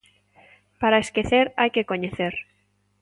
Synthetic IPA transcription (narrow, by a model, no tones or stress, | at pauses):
paɾaeskeθeɾajkekoɲeθeɾ